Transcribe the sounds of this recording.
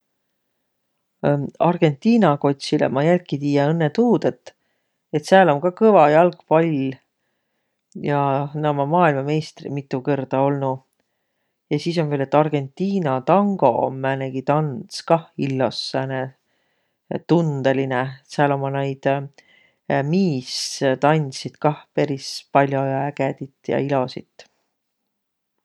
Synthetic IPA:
ɑrɡ̥e̞nt̪ːˑiːnɑko̞t̪ʲsilḛmɑjælkːˑit̪iːjɑɤnːet̪uːd̪̥e̞t̪ː | e̞t̪seæːlo̞mkɑkɤvɑjɑlkpɑlʲ | jɑnɑmɑmɑːilmɑme̞ːst̪rḭmit̪ːˑukɤrd̪̥ɑo̞lnu | jɑsiːs̬o̞nvele̞t̪ːˑɑrɡ̥e̞nt̪ːiːnɑt̪ɑŋɡ̥o̞̰mæːneɡ̥it̪ɑnskɑhilːo̞sːæne | t̪und̪̥elineseɑlo̞mːɑnejd̪̥ | miːst̪ɑnʲsid̪̥kɑhpe̞ɾispɑlʲjo̞jæɡed̪it̪ˑjɑ̰ilo̞sit̪ˑː

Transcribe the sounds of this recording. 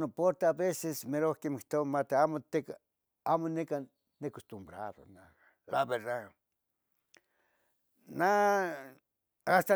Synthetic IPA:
nopoɾt̪eaβesesmeɾokemikt̪oβamat̪eamot̪eka | amoneka | nekost̪umbɾaɾo̰na | laβeɾða | na | ast̪a

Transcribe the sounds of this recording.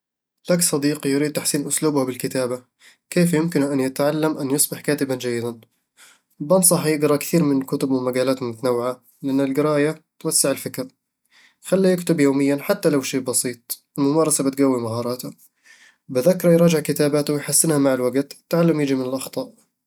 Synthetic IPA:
laksˤɑd̪iːqijɾid̪̚t̪aħsiːnʔʊsluːbhabɪlkɪt̪aːba | keːfjʊmkɪnʔanjɪt̪ʕalːamʔanjɪsˤbɪħkaːt̪ɪband͡ʒajːɪd̪an | bɑnsˤɑħjɪɡɾˤɑkθiːɾmɪnlkʊt̪ʊbwɪmaɡaːlaːt̪hʊmʊt̪anawːɪʕa | lɪʔanːɪlɡɪɾɑːjat̪wasːɪʕɪlfɪkɾ | xalːijɪkt̪ʊbjoːmɪjːanħat̪ːalawʃeːʔbɑsˤiːt̪̚ˤ | ɪlmʊmɑːɾˤɑsabɪt̪ɡawːimaɦɑːɾˤɑːt̪hʊ | bɪðakːɾˤɑjɾˤɑːd͡ʒɪʕkɪt̪aːbaːt̪wjħasːɪnhamaʕalwaɡt̪ɪt̪ːʕalːamjɪd͡ʒimɪnɪlʔɑxt̪ˤɑːʔ

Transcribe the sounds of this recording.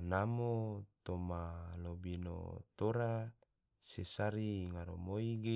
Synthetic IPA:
namot̪omalobino̰t̪oɾa | sesaɾiŋaɾomoiɡe

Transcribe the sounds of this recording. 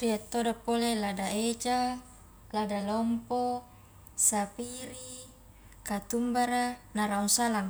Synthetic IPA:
riat̪ːodapːoleladaet͡ʃa | ladalɔmpo | sapiɾi | kat̪umbaɾanaɾauŋsalaŋ

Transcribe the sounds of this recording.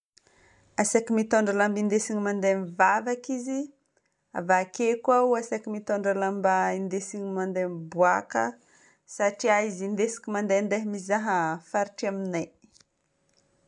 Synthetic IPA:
asakimit̪oɳɖ͡ʐalambind̪esiɲimand̪emivavakizi | a̰vakekwawasakimit̪oɳɖ͡ʐalambaind̪esiɲimand̪embuakə̰ | saʈ͡ʂiaizind̪esi̥kʲimand̪and̪eɦmizaɦəfaɾiʈ͡ʂiaminaj

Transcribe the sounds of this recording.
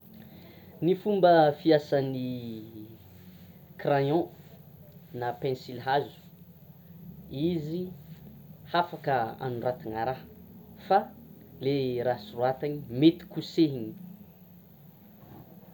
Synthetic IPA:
nifumbəfiasani | krajɔ̃ | napɛ̃nsilɦazu̥ | izi | hafakəa̰nurat̪iŋaɾaɦfaleɾasuruat̪aɲimet̪i̥kuseɦiɲi̥

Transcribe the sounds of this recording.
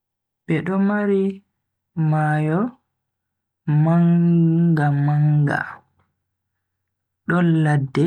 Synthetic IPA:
bɛɗɔmaɾi | maːjɔ | maŋɡamaŋɡa̰ | ɗɔnladːɛ

